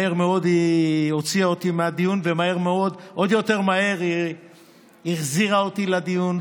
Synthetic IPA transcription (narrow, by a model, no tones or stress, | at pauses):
eʁmeo̞d̪io̞t͡siaot̪imead̪ijunve̞mae̞ʁmeo̞d̪ʔo̞d̪jo̞t̪e̞ʁmae̞ʁi | iʁziʁaot̪ilad̪ijun